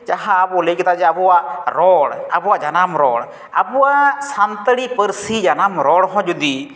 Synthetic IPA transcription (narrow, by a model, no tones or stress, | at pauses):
t͡ʃaɦaːbɔlejkɛt̪ad͡ʒɛabuwaʔɾɔɽabuwaʔd͡ʒanamɾɔ̰ɽ | a̰buwaʔsant̪əɽipəɾsid͡ʒanamɾɔɽɦɔ̃d͡ʒud̪i